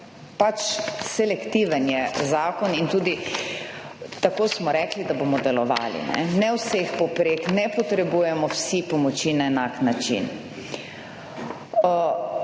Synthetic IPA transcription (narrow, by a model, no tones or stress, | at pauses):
pat͡ʃsɛlɛkt̪iʋənjɛzaːkɔnint̪uːd̪i | t̪akoːsmɔɾɛklid̪abomɔd̪ɛlɔʋa̰ːlḭnɛ̰nɛwsexpɔpɾeknɛpɔt̪ɾɛbuːjɛmɔwsipɔmɔt͡ʃinaɛnaknat͡ʃḭn